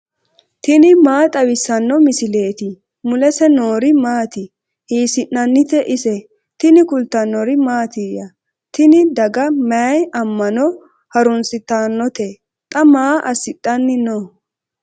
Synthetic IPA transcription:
t̪ɪnɪmaːt̪ʼɐwɪsːɐnːɔmɪsɪle̞ːt̪ɪ | mʊlɛsɛnoːɾɪmaːt̪ɪ | hiːsɪnːɐnːɪt̪ɛʔɪsɛ | t̪ɪnɪkʊlt̪ɐnːɔɾɪmaːt̪ijɐ | t̪ɪnɪd̪ɐɡɐmɐjɐmːɐnɔ | hɐɾʊnsɪt̪ːaːnːɔt̪e | t̪ʼɐmaːʔɐsɪt̪ʼːɐnːɪno

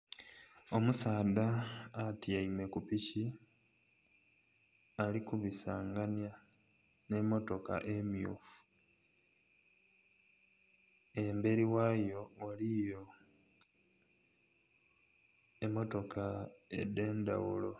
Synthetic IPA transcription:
o̞musaːd̪aːtiaime̞kupici | alikuβisaːŋɡanja | ne̞mːo̞to̞ka̰ʔemjṵːfu̥ | embe̞ɾiwajo̞walijo̞ | emːo̞to̞kʰaḛdːe̞ːnda̰wulo̞

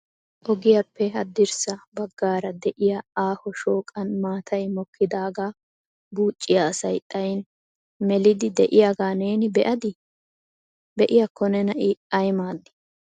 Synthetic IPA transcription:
ʔɔɡɪjɐpːɛɦɐd̪ːɪɾsɐbɐɡːaːɾɐd̪ɛʔɪjaaːhɔʃoːkʼɐnmaːt̪ʰɐjmɔkʰːɪd̪aːɡaː | buːt͡ʃʼːɪjaːsɐjt̪ʼɐjn | mɛlɪd̪ɪd̪ɛʔɪjaɡaːneːnɪbɛʔɐd̪ɪ | bɛʔɪjɐkʰːɔnɛnɐʔɪɐjmaːd̪ːɪ̥

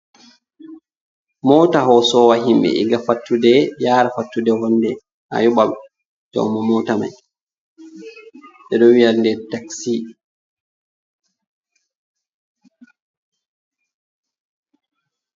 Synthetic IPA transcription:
mɔːtaɦɔsɔwaɦimɓɛ̰ʔḭɡafatːudɛjaːɾafatːudɛwɔnːdɛ | ha̰jɔɓaɓɛ | d͡ʒɔ̰wmɔmɔtama̰j | ɓɛɗɔwiandɛɾtaksi

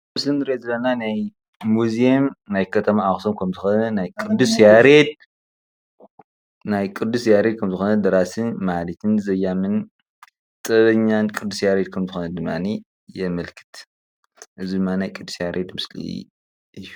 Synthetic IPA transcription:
mɨslinɨɾeezɨlɐnanaj | muziemnajkʰɐt̪ʰɐmaaxsomkʰɐmzɨxonɐnajkʼɨd̪usjaɾed̪̚ | najkʼɨd̪usjaɾed̪̚kʰɐmzɨxonɐd̪ɐɾasɨnmalit̪ʰɨnzɐjamɨn | t̪ʼɐβɐɲːankʼɨd̪ːusjaɾed̪̚kʰɐmzɨxonɐd̪ɨmːa̰ni | jɛmɐlkʰɨ̥t̪ | ʔɨzid̪ɨmːannajkʼɨd̪ːu̥sjaɾʔed̪mɨslḭ | ʔɨjːu

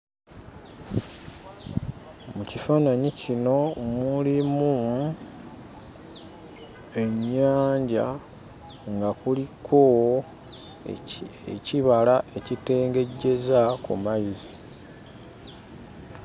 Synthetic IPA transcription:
mucifaːnaɲicino̞mulimu | e̞ɲːaːɲɟa̰ | ŋɡakulikʰo̞ | eciβalae̞cite̞ːŋɡe̞ɟːe̞zakṵmazi

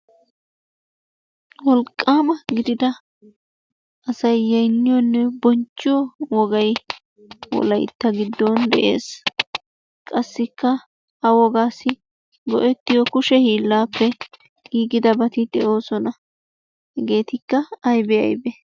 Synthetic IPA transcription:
wɔlkʼːaːmɐɡɪd̪ɪd̪ɐ | ʔɐsɐjːɐjnːɪjɔnːɛbɔnt͡ʃːɪjɔwɔɡɐj | wɔ̰lɐjt̪ːɐɡɪd̪ːɔnd̪ɛʔḛːs | kʼɐsːɪkːɐ | hɐwɔɡaːsɪ | ɡɔʔɛt̪ːɪjɔkʊʃɛhiːlːaːpːɛ | ɡiːɡɪd̪ɐbɐt̪ɪd̪̥ɛʔo̞ːsɔnɐ | hɛɡe̞ːt̪ɪkːɐɐjbɛɐ̰jbɛ

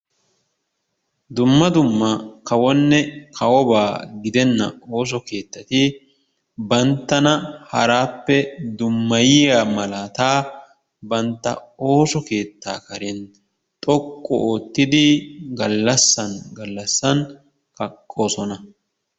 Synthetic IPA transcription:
d̪ʊmːɐd̪ʊmːɐkɐwɔnːɛkʰɐwɔbaːɡɪd̪ɛnːɐ̰o̞ːs̬ɔke̞ːt̪ːɐt̪ɪ | bɐnt̪ːɐnɐhɐɾaːpːɛd̪ʊmːɐjɪjaːmɐlaːt̪aː | bɐnt̪ːɐ̰o̞ːsɔke̞ːt̪ːaːkɐɾɛn | t̪ʼɔkʼːɔ̰oːt̪ːɪd̪ɪɡɐlːɐsːɐnɡɐlːɐsːɐn | kɐkʼːo̞ːsɔnɐ

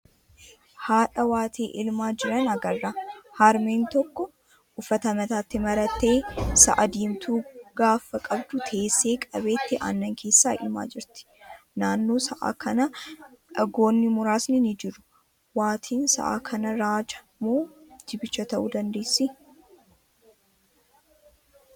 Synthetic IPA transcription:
haːᶑɐwaːt̪ʰeːʔɪlmaːd͡ʒɪɾɐnɐɡɐrːɐhɐɾmeːnt̪ɔkːɔ | ʔʊfːɐt̪ɐmɐt̪aːt̪ːɪmɐɾɐt̪ːe̞ːsɐ̰ʔɐd̪iːmt̪ʰuːɡ̥aːfːɐkʼɐbd̪ʊt̪ʰe̞ːsːe̞ːkʼɐbe̞ːt̪ːɪʔa̰ːnːɐŋkʰe̞ːsːaːɪ̰lma̰ːd͡ʒɪɾt̪ɪ̥ | naːnːoːsɐʔa̰ːkʰɐnɐ | ɐɡo̞ːnːɪmʊɾaːsnɪnɪd͡ʒɪɾʊ̥ | waːt̪ʰiːnsɐ̰ʔa̰ːkʰɐnɐɾaːd͡ʒɐ̥ | mo̞ːd͡ʒ̪ɪbɪt͡ʃːɐt̪ɐʔṵːd̪ɐnd̪e̞ːsːɪ

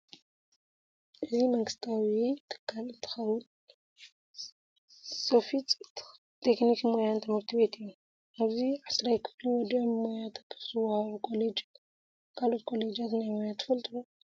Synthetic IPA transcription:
ʔɨzimɐŋɡɨst̪ʰawit̪ʰɨ̥kʰːalɨnt̪ʰɨ̥xɐwʊn | sɐfit͡sʼ | t̪ʰeknikmojant̪ʰɨmhɨɾt̪ʰibe̞t̪ɨjːu | ʔaβziʕasɾajkʰɨ̥fluwɔd̪iʕmojat̪ʰɐpːsɨwahaβukʰʼo̞led͡ʒ | kʰalo̞t̪kʰʼo̞le̞d͡ʒat̪najmojat̪ʰːɨ̥fɐlt̪ʼɨo

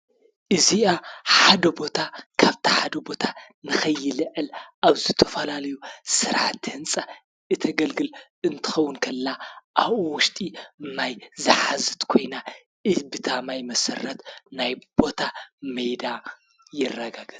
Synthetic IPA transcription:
ʔɨziaħad̪ɐbo̞t̪ʰakʰaβt̪ʰi̥ħad̪ɐbo̞t̪ʰa | nɨxɐjːɨlɨʕɨlʔaβzɨt̪ʰɐfɐlalɐjusɨɾʕat̪hɨnt͡sʼa | ɨt̪ʰɐɡɐlɡɨl | ɨnt̪ʰɨ̥xɐwːʊnkʰɐlːaʔaβʔuwʊʃt̪ʼimajzɨħazɨt̪kʰo̞jna | ʔɨzbɨt̪ʰamajmɐsɐ̰rɐt̪najb̥o̞t̪ʰamɐjd̪a | jɪrːɐɡaɡɐt̪

